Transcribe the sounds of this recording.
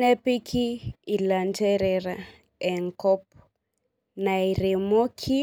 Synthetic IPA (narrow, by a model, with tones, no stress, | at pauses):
nɛ˦pi˦kʰiː˦˨la˨ntɛ˦ɾɛ˨ɾa˨ | ɛ˨ŋkɔ˦p | na˨i˨ɾi˨mo˦kʰi˦